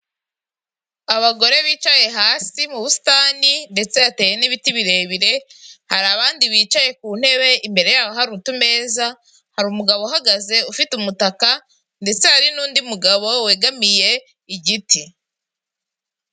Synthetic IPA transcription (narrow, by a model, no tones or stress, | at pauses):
aβaɡo̞ɾe̞βiːt͡ʃaje̞ɦaːsimuβusi̥taninde̞t͡se̞ate̞ːje̞niβitiβiɾe̞ːβiɾe̞haɾaːβaːndiβiːt͡ʃaje̞kuːn̥he̞βe̞imbe̞ɾe̞jaːwaɦaɾutume̞ːza | haɾumuɡaβoɦaɡaze̞ufitumutaka | nde̞t͡se̞haɾinuːndiumuɡaβo̞we̞ːɡamije̞ | iɟitʰi